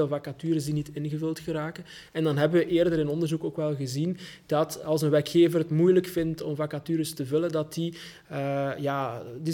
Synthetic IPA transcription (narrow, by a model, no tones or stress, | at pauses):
elˠvakatyːɾəs̬dinitɪnɣəvɵlˠtɣəɾaːkən | ɛndɑnɦɛbəʋəʔeːrdəɾɪnɔndərzukoːkʋɛlˠɣəzind̥ɑtɑlˠsənʋɛrkxeːvərɦətmujləkfɪntɔ̰mvakatyːɾəstəvɵlədɑti | əjaːdi